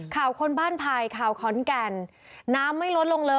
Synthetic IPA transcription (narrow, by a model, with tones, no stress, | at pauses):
kʰaː˨˩wkʰo˧nbaː˥˩npʰa˧jkʰaː˨˩wkʰɔː˨˩˦nkɛ˧nː | aː˦˥mːa˥˩jlo˦˥t̪̚lo˧ŋlɤː˧